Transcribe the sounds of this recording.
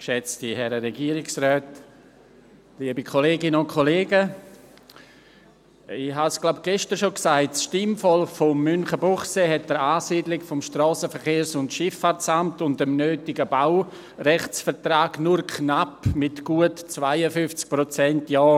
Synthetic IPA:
kʃɛt͡stihɛɾəɾɛɡiːɾɪksrœːt | liːəbikʰoleːɡɪnəʊntkʰoleːɡə | ɪhasɡ̥laʊp̚ɡ̥ɛʃtəɾʃoksaɪtsʃtɪmfɔlfɔmːʏnχəbɔχseɦɛt̚d̥əɾaːsiːdlɪkfɔmʃtrɔːsəfəɾχeːɾsʊntʃɪfːaɾt͡samtʊndəmnøːtɪɡəbaʊ | rɛχt͡sfəɾtɾaːɡnʊɾkʰnapmɪtɡ̥uətt͡svaɪəfʏft͡sk̚pɾot͡sɛntjɔː

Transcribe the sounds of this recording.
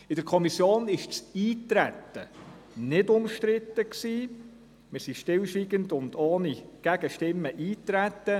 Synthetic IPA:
ɪd̥əɾkʰɔmisjoːnɪʃt͡siːtɾæt̪ːə | nɪdʊmʃtɾɪt̪ːəksiː | mɪɾsiʃtɪlʃʋiɡəndʊnd̪ɔːniɡ̥æɡəʃtɪmːəʔiːtɾæt̪ːə

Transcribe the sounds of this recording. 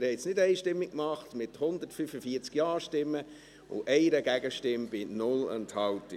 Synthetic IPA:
ɾhɛɪsnɪdɛɪʃtɪmːɪk̚kmɑχtmɪthʊnd̪ətfyfəfiːəɾt͡skjɑːɾʃtɪmːə | ʊ̰ʔɛɪɾəɡæɡəʃtɪmbɪnʊlə̰nthɑwtɪ

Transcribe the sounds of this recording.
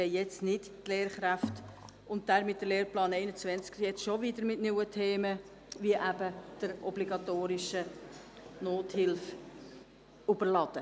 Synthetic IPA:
ɛɪjɛt͡snɪttleːɾχɾæft | ʊnt̚d̥æːɾmɪt̚dəleːɾrplɑːnɛɪnət͡svɛnt͡skjɛt͡sʃovidəɾmɪtnuwətʰeːmə | viəʔæbəd̥əɾɔbliɡɑtoːɾɪʃə | noːthɪlf | ubəɾlɑd̥ə

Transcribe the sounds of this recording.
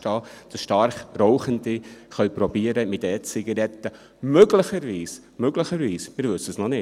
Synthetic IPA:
tɑːd̥ɑsʃtɑɾχrɔʊχəndiχœɥpɾɔbiəɾəmɪtɛt͡sɪɡɑɾɛt̪ːə | møɡləχəɾʋiːs | møɡləχəɾʋiːsmɪːɾvʋɵsːəsnɔnɪ

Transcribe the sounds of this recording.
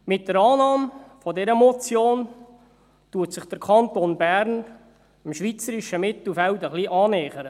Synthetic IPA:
mɪt̚d̥əɾɑːnɑːmfɔdɛɾəmɔt͡sjoːn | tuətsɪχd̥əɾkʰɑnt̪onbæɾn | ɪmʃʋit͡səɾiʃəmɪt̪l̩fɛltəχliʔɑːnɛːχəɾə

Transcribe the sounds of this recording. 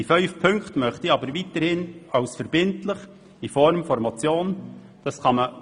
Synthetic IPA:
ifœʏfpʰɵŋkχtmœχtiɑːbəɾviːtəɾhɪnɑʊsfəɾbɪntlɪχ | ifɔɾmfɔɾmɔt͡sjoːn | d̥ɑskɑmə

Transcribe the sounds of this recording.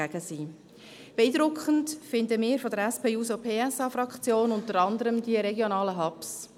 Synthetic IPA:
æɡəsiː | b̥ɛiːdɾʊkχəntfɪndəmɪːɾfodəɾɛspʰeːuːsopʰeːɛsɑːfɾɑkχt͡sjoːnʊntəɾɑndəɾəmdiəɾɛɡjonɑːləɦɑps

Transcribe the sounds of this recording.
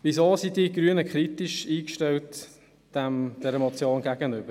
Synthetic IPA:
ʋisoːsidiɡɾyənəkʰχɾitiʃiːkʃtɛlt | d̥ɛmd̥ɛɾəmɔt͡sjoːnɡæɡənʏb̥ə

